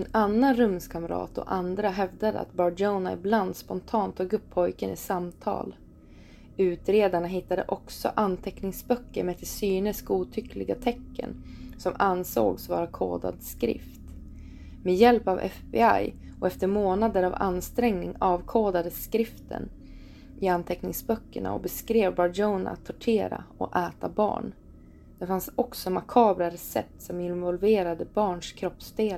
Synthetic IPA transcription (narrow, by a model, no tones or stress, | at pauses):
ɛnanːanɾɵmskʰamɾɑ̰ːt̪ɔ̰ʔand̪ɾaɦɛvd̪ad̪ə̰a̰t̪̚bɑːɖoʊnaɪbland̪spɔnt̪ʰɑːnt̪ʰuɡɵpʰːɔjkənɪsamt̪ʰɑ̰ːl | ʉ̟ːt̪ɾeːd̪aɳaɦɪt̪ːad̪ə̰ʔɔksɔ̰ʔant̪ʰɛknɪŋsbœkːəɾmɛt̪ʰɪsyːnɪskuːt̪ʰʏklɪɡat̪ʰɛkːə̰nsɔmanso̰ːɡsvɑːɾakʰo̰ːd̪a̰d̪skɾɪ̰ft̪ | mɛjɛlpavɛ̰fbḛa̰j | ɔʔɛft̪əɾmoːnad̪əɾava̰nst̪ɾɛŋnɪŋɑːvkʰoːd̪ad̪əskɾɪft̪ʰə̰n | ɪant̪ʰɛknɪŋsbœkːəɳa̰ɔ̰bɛskɾeːvbɑɔna̰t̪ʰːɔʈʰeːɾa̰ɔ̰ʔɛːt̪abɑ̰ːɳ | d̪̥ɛfansɔksɔmakʰɑːbɾaɾɛsɛ̰p̚t̪sɔmɪnvɔlveːɾad̪əbɑːɳʂkʰɾɔpsd̪eːl